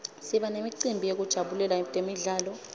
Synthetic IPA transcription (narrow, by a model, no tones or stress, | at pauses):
siɓanemiǀimbʱijek̬ud̥ʒ̥ʱaɓulɛlatʼemiɮaːlɔ